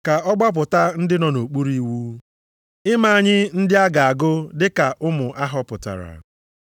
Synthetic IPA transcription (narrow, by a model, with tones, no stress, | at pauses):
ka˨ɔ˦ɡ͡ba˦p̬ʊ˨ta˦n̩˦dɪ˦nɔ˨no˨k͡pu˦ɾi˦wu˦ | ɪ˦ma˦˨a˨ɲɪ˦n̩˦dɪ˦a˦ɡa˨a˨ɡʊ˦dɪ˦ka˨ʔʊ˦mʊ˨ʔa˦ɦɔ˦pʊ˨ta̰˨ɾa̰˨